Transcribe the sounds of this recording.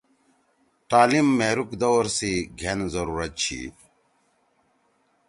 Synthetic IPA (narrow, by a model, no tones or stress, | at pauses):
ʈaːlimːeːɾukd̪ɐwɾsiɡʱenzɐɾuːɾɐt̪̚t͡ɕʰḭ